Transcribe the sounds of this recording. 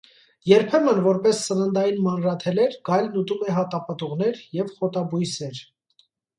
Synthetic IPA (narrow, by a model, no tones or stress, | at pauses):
jɛɾpʰɛmənvɔɾpɛsːənənd̪ɑjinmɑnrɑt̪ʰɛlɛɾɡɑjlnut̪umɛɦɑt̪ɑpɑt̪uʁn̪ɛɾjɛvχɔt̪ɑbujsɛɾ